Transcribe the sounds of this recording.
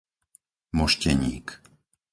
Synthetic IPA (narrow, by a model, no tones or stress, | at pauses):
mɔʃcɛɲiːk